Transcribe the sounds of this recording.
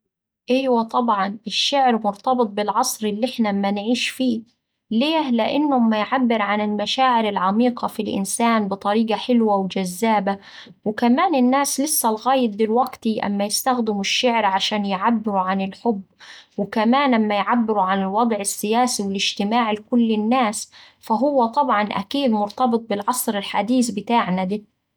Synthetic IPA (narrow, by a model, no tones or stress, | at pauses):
ʔɪjwat̪ˤɑbʕɑnɪʃːɪʕɾmʊɾt̪ɑbɨt̪̚ˤbɪlʕɑsˤɾɪlːiʔɪħnamːanʕiːʃfiː | leːhlɪʔɪnːʊmːajʕabːɪɾʕanɪlmaʃaːʕɪɾɪlʕamiːqɑfilʔɪ̰nsaːnbɨt̪ˤɑɾiːɡaħɪlwawɪd͡ʒazːaːba | wɪkamaːnɪnːaːslɪsːælɣaːjɪt̪̚bɪlwaɡt̪iʔa̰mːajɪst̪axd̪ɪmuʃːɪʕɾʕaʃaːnjʕabːɪɾuʕanɪlħʊbːwɪkamaːnammːajʕabːɪɾuʕanɪlwɑd̪ˤʕɪsːɪjaːsiwɪlɪd͡ʒt̪ɪmaːʕlɪkʊlːɪnːaːs | faɦʊwːat̪ˤɑbʕɑnʔa̰kiːd̪mʊɾt̪ɑbɨt̪̚ˤbɪlʕɑsˤɾɪlħad̪iːsbɪt̪aːʕnad̪iː